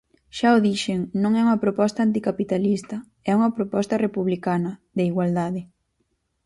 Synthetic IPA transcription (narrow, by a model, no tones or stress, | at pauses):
ʃaoðiʃeŋnõŋɛuŋɐpɾopɔst̪ant̪ikapit̪alist̪ɐ | ɛuŋɐpɾopɔst̪ɐrepuβlikanɐðeiɣwald̪aðɪ